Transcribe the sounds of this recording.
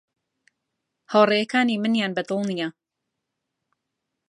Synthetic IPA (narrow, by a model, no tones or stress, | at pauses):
hawrˤejɐkaːniːmɨnjaːnbɐd̪ɨlˠnijɐ